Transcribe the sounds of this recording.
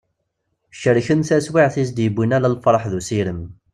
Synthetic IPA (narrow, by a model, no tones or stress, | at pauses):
ʃəɾçənθæswiʕθis̬d̪jəbʷːinælælfɾˤɑħðusiɾəm